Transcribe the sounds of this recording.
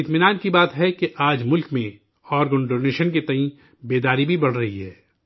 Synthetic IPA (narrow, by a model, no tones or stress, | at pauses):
ɪt̪mɪnaːnkibaːt̪ɦɛkeʔaːd͡ʒmʊlkmẽ | ɔːɾɡʊnɖoːneːʃənket̪ɐɦĩ | beːd̪aːɾibʱibɐɽ̤ɾɐɦiɦɛː